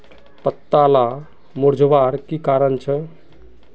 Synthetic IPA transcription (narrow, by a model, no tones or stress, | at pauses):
pət̪ːala | moɾd͡ʒʱʋaɾkikaɾənt͡ʃʰɛ